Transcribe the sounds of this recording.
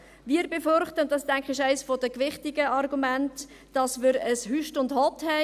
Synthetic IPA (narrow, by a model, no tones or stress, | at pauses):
viːəɾbefʏɾχtəʊndɑstæŋχɪʃɛɪsfɔdəkʋɪχtɪɡəɑrɡumænt | d̥ɑsmɪɾəshyʃtʊndhɔthɛ